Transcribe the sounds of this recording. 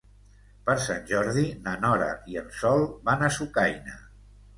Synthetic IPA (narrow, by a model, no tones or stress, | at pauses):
pəɾsanʲʒɔɾðinənɔɾə̰iənsɔlˠβanəsukajnə̰